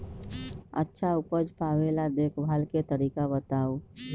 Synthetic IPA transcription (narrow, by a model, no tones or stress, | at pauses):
ə̰tːʃʰaʊpəd͡ʒpaːwelad̪ekʰbʱaːlket̪əɾiːkabət̪aːu